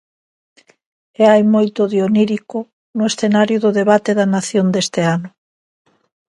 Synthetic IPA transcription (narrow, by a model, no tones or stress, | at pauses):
eajmojt̪oðjoniɾikʊ | nʊesθenaɾjʊðʊðeβat̪eðɐnaθjond̪est̪eanʊ